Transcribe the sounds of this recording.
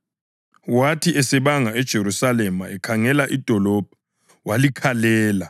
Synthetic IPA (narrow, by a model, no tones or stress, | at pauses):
watʰiɛsɛɓaŋaɛd̥ʒ̥ʱeɾusalɛmaɛkʰaŋɛlaʔid̥ʱɔlɔb̥ʱḁ | walikʰalɛːla